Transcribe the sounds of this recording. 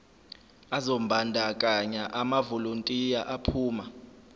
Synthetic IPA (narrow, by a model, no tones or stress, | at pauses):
azombʱandʱakʼaɲaʔamavoluntʼijaʔapʰuːma